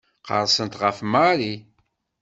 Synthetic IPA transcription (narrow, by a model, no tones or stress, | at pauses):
qə̰ɾˤsənt̪ʁəfmaɾi